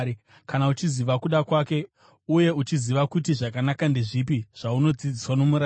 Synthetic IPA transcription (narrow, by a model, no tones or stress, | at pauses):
kanaut͡ʃiziʋakuɗakwake̞ | uje̞ut͡ʃiziʋakutiʐakanakandeʐipiʐ̥auno̞d͡zid͡ziswano̞muɾa